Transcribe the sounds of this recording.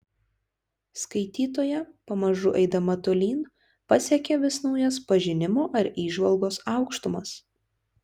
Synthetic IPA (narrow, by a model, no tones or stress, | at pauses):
skɐɪt̪ʲiːt̪oːjɛpɐmɐʒʊʔɛɪd̪ɐmɐt̪olʲiːn | pɐsʲɛkʲɛʋʲɪsnɒʊjɛspɐʒʲɪnʲɪmoːʔɐɾiːʒʋɐlˠɡoːsɑˑʊkʃt̪ʊmɐs